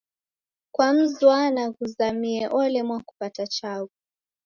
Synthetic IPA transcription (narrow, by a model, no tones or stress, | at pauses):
kwam̩zwanaɣuzamiɛʔɔlɛmwaku̥patat͡ʃavu